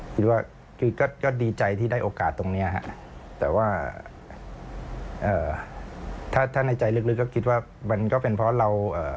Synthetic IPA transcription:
kʰi˦˥t̪̚waː˥˩ | kʰɯː˧kɔː˥˩kɔː˥˩diː˧t͡ɕa˧jt̪ʰiː˥˩daː˥˩jʔoː˧kaː˨˩t̪ːo˧ŋni˦˥ɐɦa̰˧˥ʔ | t̪ɛː˨˩waː˥˩ʔ | ʔɤː˨˩ | t̪ʰaː˥˩t̪ʰaː˥˩na˧jt͡ɕa˧jlɯ˦˥˩k̚lɯ˦˥kːɔː˥˩kʰi˦t̪̚waː˥˩ | ma˧nkɔː˥˩pe˧npʰɔ˦˥ɾa˧wʔəː˨˩

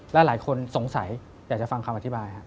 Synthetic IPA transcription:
lɛ˦˥laː˩˦jkʰo˧nso˨˩˦ŋsa˩˦j | jaː˨˩k̚t͡ɕa˨˩fa˧ŋkʰa˧mʔa˧t̪ʰi˦˥baː˧jkʰa˦˥

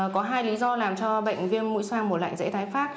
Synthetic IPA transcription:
kɔ˨˦ɦaː˧jli˨˦zɔ˧laː˨˩mt͡ɕɔ˧ɓə̰˧˨jŋ̟vi˧ənmṵ˧˥jswaː˧ŋmo˨˩t̚la̰ː˧˨ŋzḛ˧˥t̪aː˨˦jfaː˦˥k̚

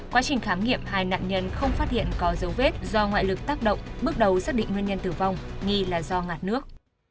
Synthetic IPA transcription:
kwaː˨˦t͡ɕï˨˩ŋ̟xaː˨˦mŋḭ˧˨əmhaː˨˩jna̰ː˧˨nɲə˧nxə˧wŋ͡mfaː˦˥t̚hḭ˧˨ənkɔ˨˦zə˨˦wve˦˥t̚zɔ˧ŋwa̰ː˧˨jlɨ˨˩k̚t̪aː˦˥k̚ɗə̰˧˨wŋ͡mɓɨ˦˥ək̚ɗə˨˦wsaː˦˥k̚ɗḭ˧˨ŋ̟ŋwi˧nɲə˧nt̪ɨ˨˩va˧wŋ͡mŋi˧laː˨˩zɔ˧ŋaː˨˩t̚nɨ˦˥ək̚

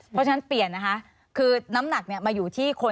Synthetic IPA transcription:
pʰt͡ɕʰa˧na˦˥npli˨˩ənːa˦˥kʰa˦˥ʔ | kʰɯː˧na˦˥mna˨˩k̚ni˥ɐmaː˧juː˨˩t̪ʰiː˥˩kʰo˧

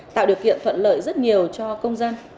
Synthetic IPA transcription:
t̪a̰ː˧˨wɗi˨˩əkḭ˧˨ənt̪ʰwə̰˧˨nlə̰ː˧˨jzə˦˥t̚ɲi˨˩əwt͡ɕɔ˧kə˧wŋ͡mzaː˧n

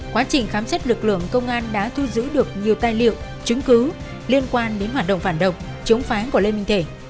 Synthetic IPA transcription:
kwaː˨˦t͡ɕï˨˩ŋ̟xaː˨˦msɛ˦˥t̚lɨ˨˩k̚lɨ̰˧˨əŋkə˧wŋ͡mʔaː˧nɗa̰ː˧˥t̪ʰu˧zɨ̰˧˥ɗɨ˨˩ək̚ɲi˨˩əwt̪aː˧jlḭ˧˨ə˨w | t͡ɕʊ˨˦ŋ͡mkɨ˨˦ | li˧ənkwaː˧nɗe˨˦nɦwaː˨˩t̚ɗə̰˧˨wŋ͡mfaː˧˩nɗə̰˧˨wŋ͡m | t͡ɕə˨˦ŋ͡mfaː˨˦nku˧˩le˧nmï˧ŋ̟t̪ʰe˧˩

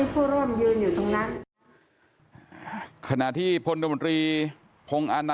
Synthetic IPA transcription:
pʰuː˥˩ɾu˥˩mjuː˧juː˨˩t̪ʰa˦˥ŋna˦˥n | kʰa˧na˨˩ʔt̪ʰiː˥˩pʰo˧n˧˩mo˧nt̪ɾiː˧ | pʰo˧ŋʔaː˧na˧

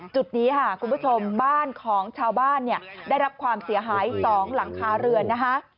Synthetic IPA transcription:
t͡ɕu˨˩t̪̚niː˦˥kʰa˥˩kʰu˧npʰu˥˩t͡ɕʰo˧mbaː˥˩nkʰɔː˩˦ŋt͡ɕʰaː˧wbaː˥˩nːi˥˩əda˥˩jɾa˦˥p̚kʰwaː˧msi˩˦ɐɦaː˩˦jsɔː˩˦ŋla˩˦ŋkʰaː˨˥ɾɯ˧ənːa˦˥kʰa˦˥ʔ

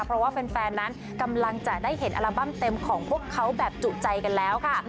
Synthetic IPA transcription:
pʰɾɔ˦˥waː˥˩pe˧nfɛː˧nːa˦˥n | ka˧mla˧ŋt͡ɕa˨˩daː˥˩jɦe˩˦nʔa̰˧ɾa˧ba˥˩mt̪e˧mkʰɔː˩˦ŋpʰu˥˩əkʰːa˦˥wbɛː˨˩p̚t͡ɕuː˨˩t̚t͡ɕa˧jka˧nlɛː˦˥wkʰa˥˩

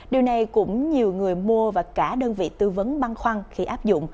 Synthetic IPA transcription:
ɗi˨˩wna˨˩jkʊ̰˧˥ŋ͡mɲi˨˩əwŋɨ˨˩əjmu˧əvaː˨˩kaː˧˩ɗəː˧nvḭ˧˨t̪ɨ˧və˨˦nɓa˧nxwa˧ŋxi˧ʔaː˦˥p̚zʊ̰˧˨ŋ͡m

